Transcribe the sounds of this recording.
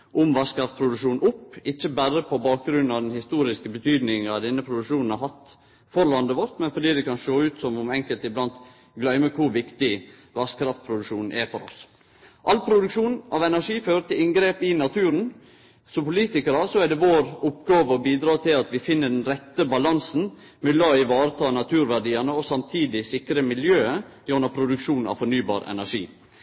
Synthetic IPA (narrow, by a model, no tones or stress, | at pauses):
ʔɔmʋɑskɾɑft̪̚pʰɾʊd̪ʉʂuːnʊpɪçːəbæɾəpʰɔbɑːk̚ɡɾʉnːɑd̪ɛnhɪst̪uːɾɪskəbət̪ʰyːd̪nɪŋɑʋd̪ɛnːəpʰɾʊd̪ʉkʂuːnn̩ɑɦɑt̪ | fɔɾlɑnd̪əʋɔɾt̪mɛnfɔɖiːd̪ɛkɑnsoːʉːt̪sɔmɔmɛŋkəlt̪ɪblɑnt̪ | ɡlœʏməkʰʊɾʋɪkt̪ɪ | ʋɑskɾɑft̪̚pʰɾʊd̪ʉʂuːnʔɛfɔɾɔ̰s | ʔɑlpʰɾʊd̪ʉkʂuːnʔɑʋɛnæʂiːføːɾət̪ʰɪlɪŋɡɾeːpɪnɑt̪ʰʉːɾən | sɔpʊliːt̪ɪkəɾəsɔɛɖɛʋoːɾʊpːɡɑːʋəɔbiːd̪ɾɑːt̪ʰɪlɑt̪ʋɪfɪnːəɖɛnɾɛt̪ːəbɑlɑnsn̩ | mɛlɑːɪʋɑːɾət̪ʰɑːnɑt̪ʰʉːɾʋæɖiːɑnəɔsɑmt̪ʰiːd̪ɪsɪkɾəmɪljøːə | jɔnəpʰɾʊd̪ʉkʂuːnɑ̰ʋfɔɳyːbɑ̰ːɾɛ̰næʂḭː